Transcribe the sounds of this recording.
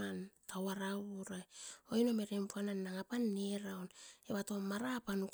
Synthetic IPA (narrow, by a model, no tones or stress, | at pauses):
antʰawaɾauɾajo̞ino̞me̞ɾempuananːaŋapanːeɾawne̞βato̞maɾapanuk